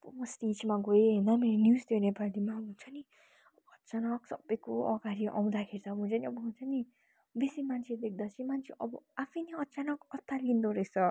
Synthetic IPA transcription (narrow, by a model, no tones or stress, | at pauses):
pubʌsʈid͡zmaɡoeɦʌjnʌmeɾonjusd̪enepad̪imaɦunt͡sʰʌni | ʌbʌʌtːt͡sanʌksʌbːʌjkoʔʌɡaɾiʔa̰w̃d̪akʰeɾit͡sʰʌbʱunt͡sʰʌniʌbʌɦunt͡sʰʌni | besimant͡sʰed̪ek̚ʰd̪at͡sʰĩmant͡sʰeʔʌbʌapʰʌjniʌtːt͡sanʌkʌt̪ʰːalind̪oɾʌjsʰʌ